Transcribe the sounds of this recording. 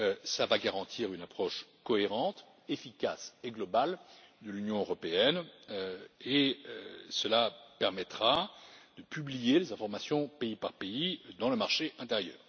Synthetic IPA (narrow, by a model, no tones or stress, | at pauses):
øsəlavaɡaʁɑ̃t̪ʰiʁynapχɔʃkɔeʁɑ̃t̪ | efika̰seɡlɔbald̪əlynjɔ̃øʁɔpeɛnøeøsəlapɛʁmɛt̪χad̪̥əpyblijelezɛ̃fɔʁmasjɔ̃peipaʁpeid̪ɑ̃ləmaʁʃeʔɛ̃t̪eʁjœ̰ːʁ